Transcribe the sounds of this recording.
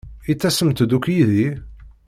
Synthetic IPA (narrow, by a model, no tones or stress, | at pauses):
it͡sːæsəmt̪d̪ukjiði